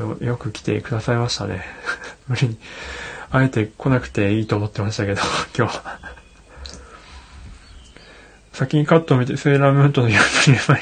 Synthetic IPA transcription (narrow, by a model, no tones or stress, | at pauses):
o̰jo̞kɯ̟kʲi̥t̪e̞̰kɯ̟d̪asaimaɕi̥t̪a̰ne̞̰mɯ̟ɾʲiɲ̟i | ae̞t̪e̞kʰo̞nakɯ̟̥t̪e̞iːt̪o̞ːmo̞t̪ːe̞maɕi̥t̪ake̞d̪okʲo̞ːβa | sakʲiɲ̟ikat̪ːoːmʲit̪eseːɾamɯ̃nt̪o̞nojopɯema